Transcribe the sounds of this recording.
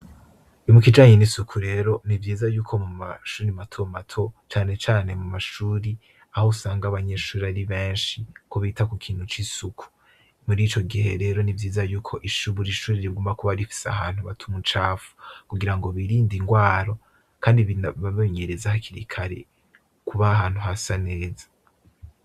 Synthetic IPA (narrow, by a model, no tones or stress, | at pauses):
imukid͡ʒaːɲenisukʰuɾe̞ːɾo̞nivjiːzajuːkʰo̞muma̰ʃuːɾimatʰo̞matʰo̞t͡ʃaːne̞t͡ʃaːne̞mumaʃuːɾi | ahousaːŋɡaβaɲeʃuːɾiβaɾiβe̞ːnʃikʰoβitakukʰiːn̥hut͡ʃisukʰu̥ | muɾiːt͡ʃo̞ɡiɦe̞̰ɾe̞ːɾo̞nivjiːzajuːkʰo̞ʔiʃuβuɾiʃuːɾiɾiɡoːmbakuβaɾifi̥sea̰haːn̥huβatʰumut͡ʃaːfu̥kuɡiɾaŋɡo̞βiɾiːndiŋɡwaːɾo̞ | kʰaːndiββameɲe̞ɾezahakʰiɾḭkʰaɾḛ | kuβaːhaːn̥huhasane̞ːzḁ